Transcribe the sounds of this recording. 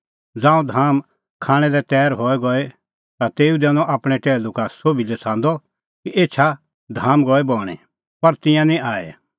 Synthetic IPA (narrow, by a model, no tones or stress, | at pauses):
d͡zãːũd̪ʱaːm | kʰaːɽ̃ɛlɛt̪ɛːɾɦɔɛɡɔe | t̪at̪eːud̪ɛːnɔ̃ʔaːpɽ̃ɛ̃ʈɛːlukasoːbilɛsʰãːnd̪ɔ | kiʔeːt͡ʃʰa | d̪ʱaːmɡɔɛbɔːɽ̃ɛ̰ | pɐɾt̪ɪ̃jãnĩʔaːḛ